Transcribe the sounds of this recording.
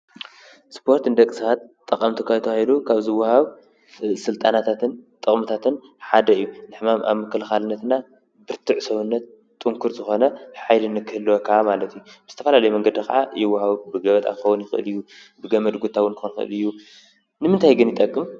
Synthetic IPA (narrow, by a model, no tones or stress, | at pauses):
spʰo̞ɾt̪ɨnd̪ɐkʼːɨsat̪t̪ʼːɐkʼɐmt̪ʰukʰat̪ʰɐwahid̪ukʰaβzɨwːahaβ | sɨlt̪ʼanat̪ʰat̪ʰɨnt̪ʼɨχʼmɨt̪ʰat̪ɨn | ħad̪ɐɨjːunɨħmama̰βmɨkːɐlxalɨnːɐt̪na | bɨɾt̪ʰɨʕsɐβunːɐt̪̚ | t̪ʼːɨŋkʰuɾzɨxo̞nɐħajlɨnɨkʰːɨhɨlːwokʰɐamalɐt̪ʰijubɨzɨt̪ʰɐfɐlalɐjumɐŋɡɐd̪ikʰɐ̰ʕajɪwːahaβubɨɡɐβɐt̪ʼa̰xɐwunjɪxɨʔɨ̰lɨjːu | bɨɡɐmɐd̪ɡut̪ʰawʊnɨxonxɨ̰ʔɨ̰lɨjːu | nɨmɨnt̪ʰajɡɨnjɪt̪ʼɐkʼːɨm